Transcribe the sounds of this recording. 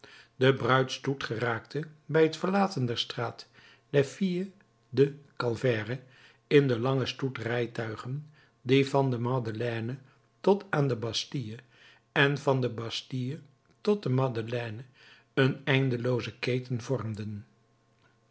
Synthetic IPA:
dəbrœɥtstutχəraːk̚tʰəbɛjɦətfəɹlaːtəndɛɹstraːt | dɛɹfiə | dəkɑlˠvɛːrə | ɪndəlɑŋəstutrɛjtœɥχən | divɑndəmɑdəlɛːnə | tɔtaːndəbɑstijə | ɛnvɑndəbɑstijə | tɔt̚dəmɑdəlɛnə | ənɛjndəlowzəkejtənv̥ɔrmdən

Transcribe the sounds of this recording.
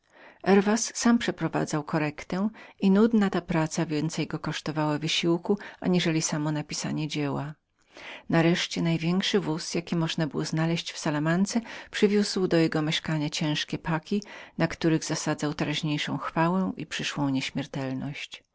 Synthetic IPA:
ʔɛɾvasːampʂɛpɾɔva̰d̪zawkɔɾɛkt̪ɛ̃inud̪nat̪apɾat̪savʲjɛnt̪sɛjɡɔkɔʂt̪ɔvawavɘɕiwkua̰ɲiʐɛlʲisamɔnapʲisa̰ɲɛd͡ʑɛwa | naɾɛʂt͡ɕɛnajvʲjɛŋkʂɘvusjakʲimɔʐnabɘwɔznalɛɕt͡ɕfsalamant̪sɛpʂɘvʲjuswd̪ɔjɛɡɔmʲɛʂkaɲat͡ɕɛ̃w̃ʂkʲɛpakʲinakt̪uɾɘɣz̥asad̪zawt̪ɛɾaʑɲejʂɔ̃w̃xfawɛʔḭpʂɘʂwɔ̃w̃ɲeɕmʲjɛɾt̪ɛlnɔɕt͡ɕ

